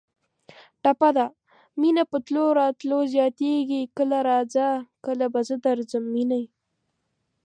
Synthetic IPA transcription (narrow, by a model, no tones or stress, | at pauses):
ʈapad̪a | minapət̪loɾɑt̪lozjɑt̪eɡikəlaɾɑd͡zakəlabazəd̪aɾzəmːinaj